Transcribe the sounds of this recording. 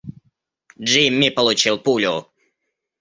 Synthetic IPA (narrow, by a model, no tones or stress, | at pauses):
d͡ʒimʲːipəlˠʊt͡ɕilˠpulʲʊ